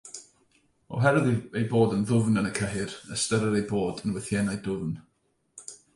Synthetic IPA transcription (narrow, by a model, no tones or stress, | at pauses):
ɔ̰ɦɛɾɨðejboːdənðʊvnənəkʰəɦɪrəstəɾəɾejboːdənwɛθjɛnajdʊvn